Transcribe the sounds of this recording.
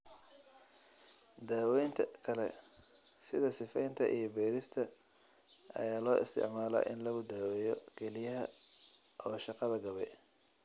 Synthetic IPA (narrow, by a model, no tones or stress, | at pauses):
d̪aːwɛjnt̪ʰɐkʰɐlɛ̰ | sɪðɐsɪfɛjnt̪ʰɐʔḭjɞbɛːɾɪst̪ʰɐ | ʔɐ̰jaːlɔːʔɪ̰st̪ʰɪ̰ʕmaːlɐ̰ʔɪ̰nlɐɣʊd̪aːwɛjɔkʰɛlɪjɐɦɐ | ʔɔːʃɑqɑðɐɡɐβɛ